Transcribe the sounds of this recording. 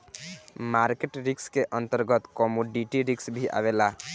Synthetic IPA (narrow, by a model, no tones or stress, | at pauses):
maɾkeʈɾikskeʔənt̪əɾɡət̪kɔmoɖiʈiɾiksbʱiʔa̰βela